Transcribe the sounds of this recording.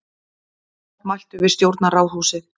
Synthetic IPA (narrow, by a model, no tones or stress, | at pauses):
majl̥t̪ʏvɪðst̪jowɾt̪narawɦuːwsɪ